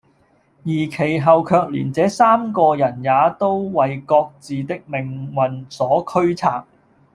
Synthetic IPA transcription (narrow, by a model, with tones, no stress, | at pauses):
jiː˨˩kʰe˨˩jɦɐ˨wkʰœː˧k̚lḭː˨˩nt͡sɛː˨˥saː˥mkɔː˧jɐ˨˩njaː˨˧t̪o˥wwɐ˨jkɔː˧k̚t͡siː˨t̪ɪ˥k̚mɪ˨˩ŋwɐ˨nsɔː˨˥kʰɵ˥ɥt͡sʰa̰ː˥k̚